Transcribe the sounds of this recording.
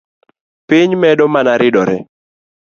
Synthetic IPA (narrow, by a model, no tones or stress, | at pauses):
piɲmɛdɔmanaɾɪdɔɾɛ